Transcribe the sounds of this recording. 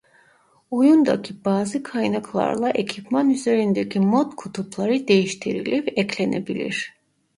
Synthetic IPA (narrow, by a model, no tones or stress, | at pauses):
ujund̪a̰cʰibaːzɯkʰajnakʰlˠa̰ɾlˠaʔecʰipmanyze̞ɾind̪ecʰimot̪kʰut̪ʰuplˠaɾɯd̪e̞jiʃt̪ʰiɾḭlʲivɛcʰlʲe̞nʔe̞bilʲḭɾ̥